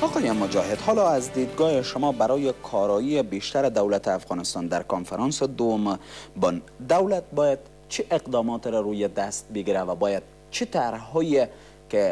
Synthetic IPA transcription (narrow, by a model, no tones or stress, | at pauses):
ɒqɔjemʊd͡ʒɒɦed̪hɒlɒazd̪id̪ɡɒheʃʊmɒbaɾɒjekʰɒɾɒijebeʃt̪aɾed̪awlat̪eafɣɑnɪst̪ɑnd̪aɾkonfaɾɑnsed̪owʊmbɔnd̪awlat̪̚bɔjad̪ | t͡ʃʰiʔeqd̪ɒmɒt̪ɾɔɾujed̪ast̪̚bɪɡiɾavabɔjad̪̥̚ | t͡ʃʰit̪aɾhɔːje | ke